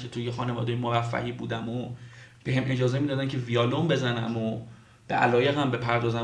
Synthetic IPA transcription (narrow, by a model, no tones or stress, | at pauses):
kʰet̪ʰujexɒːnevɒ̰ːd̪ejemovæfːæ̰hiːbuːd̪æmob̥e̞ɦemʔed͡ʒɒːzemid̪ɒːd̪æmcʰeviɒːlombe̞zænæmo | b̥e̞̰ʔælɒːje̞ɣæmbe̞pʰæɾd̪ɒːzæm